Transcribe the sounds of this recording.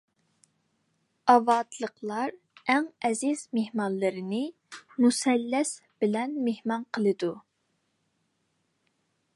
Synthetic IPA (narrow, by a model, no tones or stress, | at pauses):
ɑvɑːd̪lˠəqʰlˠɑɾ | ɛŋɛziz̥mehmɑnlˠɨɾɨnɨ | musɛlːɛsbɪlɛnmehmɑnqʰəlˠɨd̪u